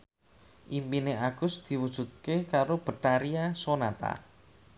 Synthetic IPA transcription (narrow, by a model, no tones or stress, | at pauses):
ʔimpineaɡ̥ʊsd̪̥i̤wud̥ʒ̥ṳt̪̚kekaɾob̥ə̤ʈaɾiasonat̪a̰